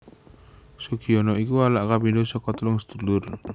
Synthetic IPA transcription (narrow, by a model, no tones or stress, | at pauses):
sukʰiɔnɔikualaʔkabidosɔkɔt̪lʊŋst̪ulʊr